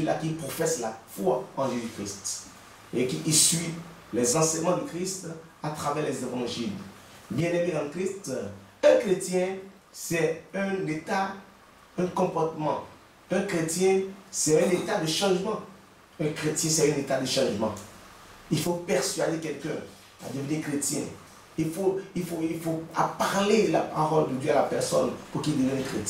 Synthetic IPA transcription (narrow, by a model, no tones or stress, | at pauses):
əlakilpχofɛslafwaɑ̃ʒezykχist̪ | ekiʔisɥi | lɛzɑ̃sɛɲmɑ̃d̪ykχist̪ | at̪χavɛʁlɛzevɑ̃ʒil | bjɛ̃nemĩʁɑ̃kχist̪ɛ̃kχet̪jɛ̃ | sɛɛ̃net̪a | ɛ̃kɔ̃pɔʁt̪əmɑ̃ | ɛ̃kχet̪jɛ̃sɛɛ̃net̪ad̪əʃãʒmɑ̃ | ɛ̃kχet̪jɛ̃sɛỹnet̪ad̪əʃɑ̃ʒmɑ̃ | ilfopɛʁsɥad̪ekɛlkɛ̃ | a̰d̪əvənikχet̪jɛ̰̃ | ilfoilfoilfoapaʁlelapaʁɔld̪əd̪jøalapɛʁsɔnpuʁkild̪əvɛ̃nɛkχet̪